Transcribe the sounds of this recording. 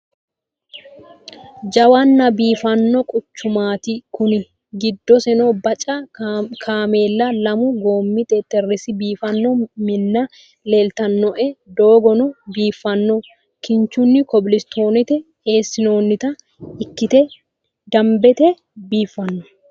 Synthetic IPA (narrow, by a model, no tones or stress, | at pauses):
d͡ʒɐwɐnːɐbiːfɐnːɔkʼʊt͡ʃːʊmaːt̪ɪkʊnɪ | ɡɪd̪ːɔsɛnoːbɐt͡ʃʼɐkʰaːmeːlːɐlɐmʊɡo̞ːmːit̪ʼeːt̪ːɛrːɪsɪbiːfɐnːɔmɪnːɐ | le̞ːlt̪ɐnːɔʔɛd̪oːɡɔnʊbiːfːɐnːɔ | kɪɲt͡ʃʊnːɪkɔbɪlɪst̪o̞ːnɪt̪ɛ | e̞ːsːɪno̞ːnːɪt̪ɐ | ɪkːɪt̪ɛ | d̪ɐmbɛt̪ɛ | biːfːɐnːɔ̥